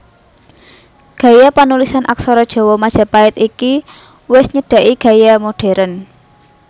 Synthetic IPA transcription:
ɡ̥ä̤japanulisanʔaksɔɾɔd̥ʒ̥ɔ̤wɔmad̥ʒ̥a̤paɪt̪iki | wɪsɲəɖ̥ä̤ʔiɡ̥a̤jamoɖ̥e̤ɾən

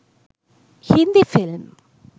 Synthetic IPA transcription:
hɪnd̪ifɪlm

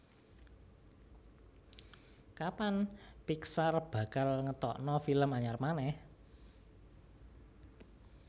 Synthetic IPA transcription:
kapanpiksarb̥ä̤kalŋət̪ɔ̰ʔnɔfiləmaɲarmanɛh

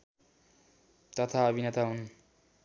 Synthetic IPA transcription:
t̪ʌt̪ʰaʌbʱinʌt̪aɦun

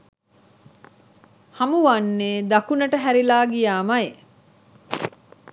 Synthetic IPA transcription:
hɐmuʋɐnːeːd̪ɐkunəʈəɦæɾilaːɡijaːmɐje

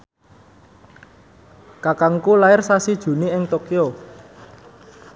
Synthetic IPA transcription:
kakaŋkulaɪrsasid̥ʒ̥ṳniɪŋt̪okio

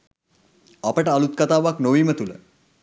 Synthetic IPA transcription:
apəʈəalut̪̚kat̪aːʋaknoʋiːmət̪ulə̰

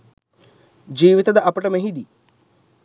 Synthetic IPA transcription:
d͡ʒiːʋit̪ɐd̪ɐʔɐpɐʈɐmeɦid̪i

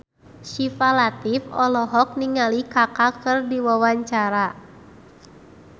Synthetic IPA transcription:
ʃifalat̪ifɔlɔɦɔk̚niŋalikakakɨrdiwawaɲt͡ʃaɾa

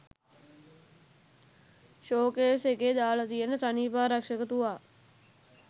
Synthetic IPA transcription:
ʃoːkeseked̪aːlət̪ijənəsaniːpaːɾɐkʂəkət̪uʋaː

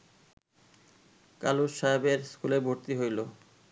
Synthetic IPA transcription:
ka̰luʃaebeɾskulebʱoɾt̪iɦojlo

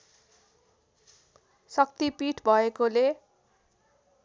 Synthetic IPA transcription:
sʌk̚t̪ipiʈʰbʱʌekole

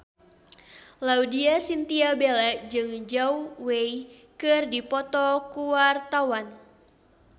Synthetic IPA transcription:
laudiasint̪iabelɛʔd͡ʒɨŋd͡ʒauweikɨrdipɔt̪ɔkuwart̪awan

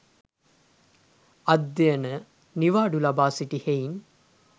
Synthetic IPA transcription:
ɐd̪ːejənə | niʋaːɖulɐbaːsiʈihein

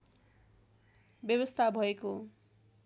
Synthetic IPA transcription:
bjʌβʌst̪ʰabʱʌeko

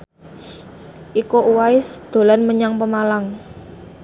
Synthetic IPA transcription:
ʔikoʔuwaɪsd̪̥o̤lanməɲaŋpəmalaŋ

